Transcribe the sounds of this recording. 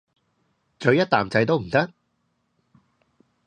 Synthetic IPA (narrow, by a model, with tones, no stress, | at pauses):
t͡ʃɵ˨˧ɥjɐ˥t̚t̪aː˨mt͡sɐ˧jt̪o˥wm̩˨˩t̪ɐ˥k̚